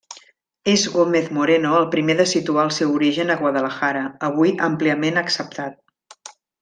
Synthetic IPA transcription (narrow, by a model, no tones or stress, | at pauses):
ezɣomeθmuɾenoəlˠpɾimeðəsit̪uaəlˠsɛwuɾiʒənəɣwəðələxaɾəəβ̞ujəmpliəmenəksəp̚t̪at̪̚